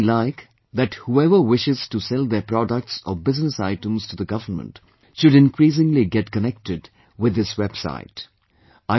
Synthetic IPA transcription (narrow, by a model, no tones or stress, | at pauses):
laɪk | ðæthuɛvə˞wɪʃɪz̥tusɛlˠd̪əpɾɔɖək̚ʈsɔ̰bɪznəsa̰ɪʈə̃mz̥tud̪əɡʌvənmə̰̃nt | ʃʊɾɪ̃nkɾiːs̬ɪ̃ŋliɡɛtkənɛk̚tɪd | wɪd̪ɪswɛb̥sa̰ɪt | aɪ